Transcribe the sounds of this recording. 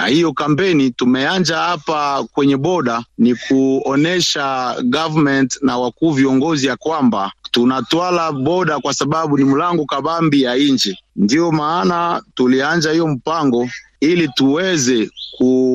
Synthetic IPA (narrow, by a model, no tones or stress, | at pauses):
na̰hijɔkampɛnitumɛand͡ʒahapakwɛɲɛbɔɗanikʰuɔnɛʃaɡavamɛntnawakuːviɔŋɡɔzijakwambatunatwalabɔɗakwasaɓaɓunimulaŋɡɔkabambijaiɲd͡ʒɛndiɔmaːnatuliand͡ʒahijɔm̩paŋɡɔ | ilituwɛzɛkʰu